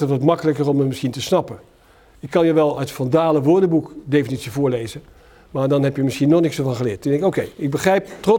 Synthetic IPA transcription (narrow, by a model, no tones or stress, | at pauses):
ətʋɑtmɑkələkərɔməmɪsχintəsnɑpə | ɪkːɑnjəʋɛlˠœtfɔndaːləʋʊːɹdəbukdejfənitsivʊːɹlejzə | maːɹdɑnɦɛpjəmɪsχinɔχnɪksəvɑnχəlɪːtdɛ̃ŋkowkejɪɡ̚bəχrɛjp̚trɔ